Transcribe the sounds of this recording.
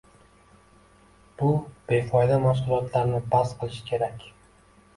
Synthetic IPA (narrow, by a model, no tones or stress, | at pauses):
b̥ʊb̥e̞fɒjd̪amafsʊlˠɒt̪laɾnɪbasqʰɨlˠɪʃkʲʰe̞ɾakʲ